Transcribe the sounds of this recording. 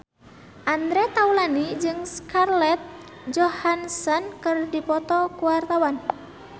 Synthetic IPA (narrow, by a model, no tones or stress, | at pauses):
ʔand̪ɾɛt̪aulanid͡ʒɨŋskarlɛt̪̚ | d͡ʒɔhansɔnkɨrdipɔt̪ɔkuwart̪awan